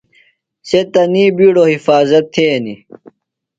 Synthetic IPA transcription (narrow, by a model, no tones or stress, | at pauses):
set̪ɐniːbiːɽohifaːzɐt̪ʰːeːni